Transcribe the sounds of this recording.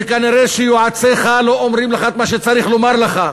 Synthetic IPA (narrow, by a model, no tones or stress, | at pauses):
kaniʁeʃejoʕat͡seχalo̞ʔomʁimleχat̪maʃ̬et͡saʁiχlomaʁleχa